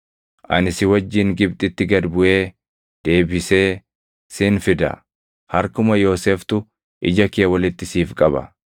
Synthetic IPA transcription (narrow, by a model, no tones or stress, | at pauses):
ʔɐ̰nɪsɪwɐd͡ʒːɪːŋɡɪbt̪ʼɪt̪ːɪɡɐd̪bʊʔe̞ː | d̪̥e̞ːbɪse̞ː | sɪːnfɪd̪ɐ̰ | hɐɾkʊmɐjo̞ːseːft̪ʊ | ʔɪ̰d͡ʒɐkɪːwɐlɪt̪ːɪsiːfkʼɐbɐ̰